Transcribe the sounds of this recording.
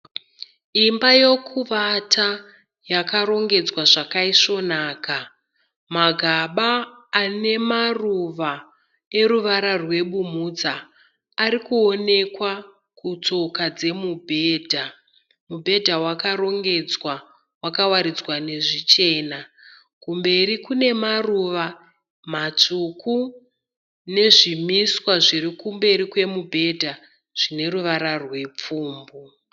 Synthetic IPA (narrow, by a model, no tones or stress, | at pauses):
imbajokʰuʋatʰa | jakaɾo̞ŋɡe̞d͡zwaʐakaiʂo̞naːka | maɡʱaɓaːne̞maruʋa | e̞ɾuʋaɾarwe̞ɓum̤ud͡zaː | ɾikuo̞ne̞kwa | kut͡so̞kad͡ze̞mubʱeːdʱa | mubʱe̞dʱawakaɾo̞ŋɡe̞d͡zwa | wakawaɾid͡zwane̞ʐit͡ʃe̞ːna | kumbe̞ɾikune̞maruʋa | mat͡ʂuku | ne̞ʐimiswaʐirikumbe̞ɾikwe̞mubʱe̞dʱa | ʐ̥ine̞ɾuʋaɾarwe̞p͡fuːmbu